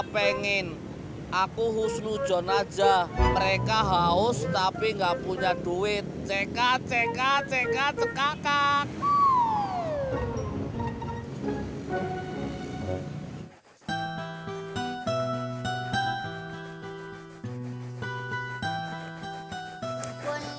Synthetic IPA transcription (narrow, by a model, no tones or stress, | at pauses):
peŋɪn | ʔakuhusnud̥ʒ̥ɔ̤nad̥d͡ʒaməɾekaɦaʊst̪apiŋɡapuɲaɖ̥uwɪt̪̚t͡ʃekat͡ʃekat͡ʃekat͡ʃəkakan